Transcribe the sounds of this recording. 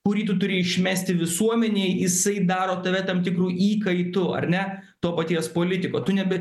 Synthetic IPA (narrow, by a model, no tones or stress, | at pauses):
kʊɾʲiːt̪ʊt̪ʊɾʲɪɪʃʲmʲæːsʲt̪ʲɪʋʲɪsuɔmʲɛnʲeɪjɪsɐɪd̪ɑːɾoːt̪ɐʋʲɛt̪ɐmt̪ʲɪkɾuːʔiːkɐɪt̪ʊɐ̰rʲnʲɛ | t̪oːpɐt̪ʲiɛspoːlʲɪt̪ʲɪkoːt̪ʊnʲɛbʲɛ